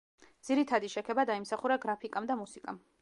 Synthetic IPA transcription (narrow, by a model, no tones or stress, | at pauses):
d̪z̥iɾit̪ʰad̪iʃɛkʰɛbad̪aimsaχuɾaɡɾapʰikʼamd̪amusikʼam